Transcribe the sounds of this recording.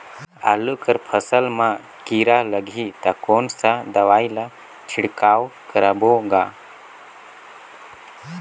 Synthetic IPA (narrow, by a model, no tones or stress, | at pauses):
a̰lukəɾpʰəsəlmã | kiːɾaləɡʱit̪akoːnsad̪ɐʋaːila | t͡ʃʰiɽkaːwkəɾəboːɡaː